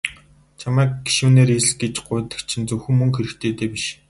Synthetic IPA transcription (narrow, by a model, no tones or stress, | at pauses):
t͡ɕʰamæːkɡiʃuːneːɾes̆ɮɡet͡ɕɢʊːt̪ə̥̆kt͡ɕʰĭnt͡sɵwxɘ̆ŋmɵŋxeɾɘ̆kt̪ʰeːt̪eːpʲiʃ